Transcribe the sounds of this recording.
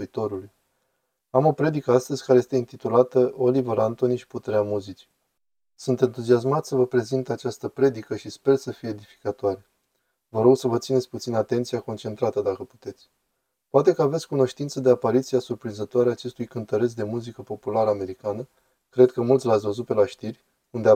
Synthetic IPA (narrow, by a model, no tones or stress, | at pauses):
it̪o̞ɾuluj | amo̞pɾe̞d̪ikəast̪əzʲkaɾe̞jest̪eint̪it̪ulat̪əo̞livəɾant̪o̞niʃi̥put̪eɾeamuzit͡ʃi̥ | sunt̪e̞nt̪uzias̬mat̪səvəpɾe̞zint̪at͡ʃast̪əpɾe̞d̪ikəʃispe̞rsəfijeːd̪ifi̥kat̪oaɾe̞ | vəɾo̞ɡsəvət̪sinesʲput̪sinat̪e̞nt̪sijako̞nt͡ʃe̞nt̪ɾat̪əd̪akəpu̥t̪e̞t̪sʲ | poat̪e̞kəave̞t̪sʲkuno̞ʃt̪int̪səd̪eapaɾit̪siasurpɾinzət̪oaɾeaːt͡ʃe̞st̪ujkɨnt̪əɾe̞s̬d̪e̞muzikəpo̞pulaɾəame̞ɾikanə | kɾe̞d̪̚kəmult̪ʲlat̪sʲvəzut̪̚pe̞laʃt̪irʲ | und̪ea